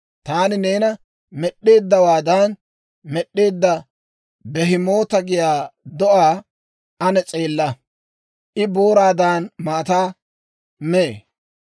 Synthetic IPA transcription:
t̪aːnɪne̞ːnɐ | mɛɗːe̞ːd̪ːɐwaːd̪aːn | mɛɗːe̞ːd̪ːɐ | bɛɦɪmo̞ːt̪ɐɡɪjaːd̪ɔʔaː | ɐnɛt͡sʼe̞ːlːɐ | ʔɪboːɾaːd̪aːnmaːt̪aː | meː

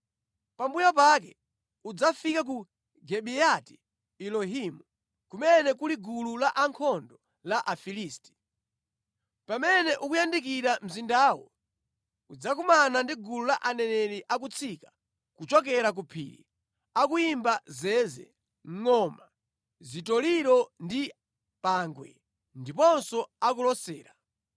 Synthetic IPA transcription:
pambujap̬ak̬ɛ | ud͡zafikak̬u | ɡɛɓiati̥ | ilɔɦimu | kumɛnɛkuliɡululaʔaŋkʰɔndɔ | laʔafiliːsti̥ | pamɛnɛʔukujandik̬iɾam̩zindaːwɔ̰ | kud͡zakumanandiɡululaʔanɛnɛɾiʔak̬ut͡sʰika | kut͡ʃɔk̬ɛɾak̬upʰḭːɾḭ | akuimbazɛːzɛ̰ | ŋ̩ŋɔma | zitɔliɾɔndi | paːŋɡwɛ̰ | ndipɔnsɔak̬ulɔsɛːɾa

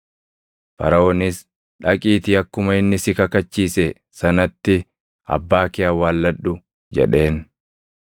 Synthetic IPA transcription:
fɐ̰ɾɐoːnɪs | ᶑɐkʼiːt̪ɪɐkːʊmɐɪnːɪsɪkɐkɐt͡ʃːiːsɛ | sɐnɐt̪ːɪ | ɐ̰bːaːkɪɐwaːlːɐᶑʊ | d͡ʒɛ̰ᶑe̞ːn

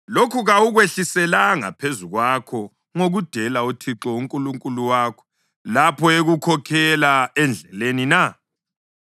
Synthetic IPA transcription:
lokʰuɣauɣweɬisɛlaŋa̰pʰezuɣwakʰɔ | ŋoɣud̥ʱɛlautʰiǁɔuŋkʼuluŋkʼuluwakʰɔ̥ | lapʰɔeɣukʰɔkʰɛlaɛnd͡ɮʱɛlenina

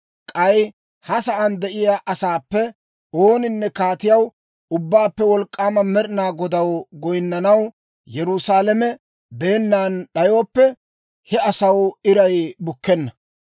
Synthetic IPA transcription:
kʼɐj | hɐsɐʔɐnd̪ɛʔɪjaːʔɐsaːpːɛ | o̞ːnɪnːɛkaːt̪ɪjɐw | ʊbːaːpːɛwɔlkʼːaːmɐmɛɾɪnaːɡɔd̪ɐwɡɔjnːɐnɐw | jɛɾʊsaːlɛmɛ | d̪e̞ːnːaːnɗɐjoːpːɛ | hɛɐsɐwɪɾɐjbʊkːɛnːɐ

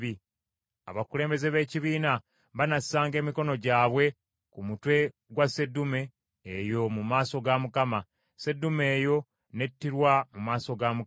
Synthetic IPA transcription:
i | a̰βakule̞ːmbe̞ze̞βe̞ːciβiːna | βanasaːŋɡe̞ːmiko̞no̞ɟaːβwe̞ | kumutwe̞ | ɡwase̞dume̞ː | jo̞mumaːso̞ɡamukama | se̞dume̞ːjo̞ | ne̞tːiɾwamumaːso̞ɡamu

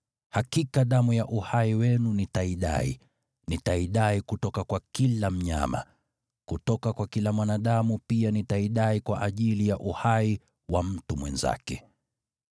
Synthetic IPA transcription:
hakikaɗamujaʔuhaiwɛnunitaiɗa̰ḭ | nitaiɗaikutɔkakwakilam̩ɲa̰ma̰ | kutɔkakwakilamwanaɗamupianitaiɗaikwaʔaʄilijaʔuhai | wam̩tumwɛ̰nza̰kɛ

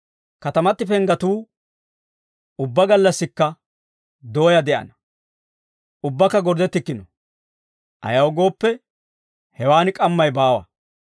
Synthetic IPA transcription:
kɐt̪ɐmɐt̪ːɪfɛŋɡɐt̪uː | ʊbːɐɡɐlːɐsːɪkːɐ | d̪o̞ːjɐd̪ɛʔɐ̰nɐ | ʔʊbːɐkːɐɡɔɾd̪ɛt̪ːɪkːɪnɔ | ʔɐ̰jɐwɡo̞ːpːɛ | hɛwaːnɪkʼɐmːɐjbaːwɐ̰

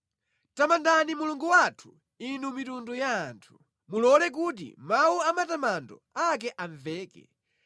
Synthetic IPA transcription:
tamandanimuluŋɡuwatʰu̥ | inumitundujaːntʰu̥ | mulɔlɛk̬ut̬ḭmawuamatamandɔ̰ak̬ɛʔaɱvɛːkɛ̰

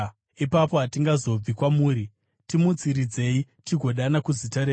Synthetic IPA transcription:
ipapo̞ɦatiŋɡazo̞b͡vikwamuːɾi | timut͡siɾid͡ze̞i | tiɡʱo̞ɗanakuzitaɾe

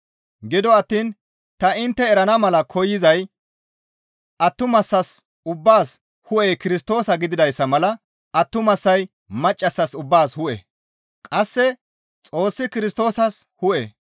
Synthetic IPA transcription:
ɡɪd̪ɔɐt̪ːiːn | t̪ɐɪnt̪ːɛːɾɐnɐmɐlɐkʰɔjːɪzɐj | ʔɐt̪ːʊmɐsːɐs | ʊbːaːs | hʊʔejkɪɾɪst̪o̞ːsɐɡɪd̪ɪd̪ɐjsːɐmɐlɐ | ʔɐt̪ːʊmɐsːɐj | mɐt͡ʃʼːɐsːɐsʊbːaːshʊʔɛ̰ | kʼɐsːɛ | t͡sʼo̞ːsːɪkɪɾɪst̪o̞ːsɐshʊʔɛ

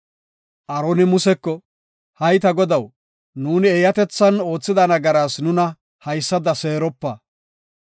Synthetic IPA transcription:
ʔɐɾoːnɪmʊsɛkːɔ | hɐjt̪ɐɡɔd̪ɐw | nuːnɪejɐt̪ɛt͡sːɐno̞ːt͡sːɪd̪ɐnɐɡɐɾaːsnʊnɐ | hɐjsːɐd̪ɐse̞ːɾɔpːɐ

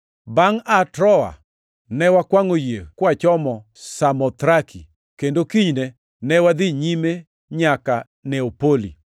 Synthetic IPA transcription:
baŋatɾɔa̰ | nɛwakwaŋojekwat͡ʃɔmɔ | samɔt̪ɾakʰḭ | kendokiɲne | nɛwad̪iɲime | ɲaka | nɛopolḭ

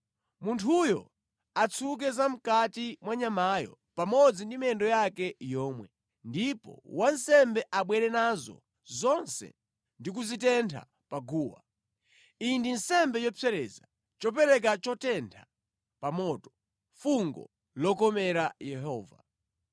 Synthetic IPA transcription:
muntʰujɔ̰ | at͡sʰuk̬ɛzam̩katimwaɲamajɔ̰ | pamɔd͡zindimɛndɔjakɛjɔːmwɛ | ndipɔ̰wan̩sɛmbɛʔaɓwɛɾɛnazɔ̰ | zɔnsɛ̰ | ndik̬uzitɛntʰa̰ | paɡuːwa̰ | indin̩sɛmbɛjɔpʰɛɾɛza | t͡ʃɔp̬ɛɾɛk̬at͡ʃɔtɛntʰa | pamɔtɔ̥ | fuŋɡɔ̰ | lɔkɔmɛɾajɛɦɔːva̰

